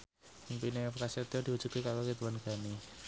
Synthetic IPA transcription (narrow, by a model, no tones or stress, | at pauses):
mpinekasiat̪iɔd̥iwud̥ʒ̥ṳt̪̚kekalokit̪uwanɡ̥a̤ni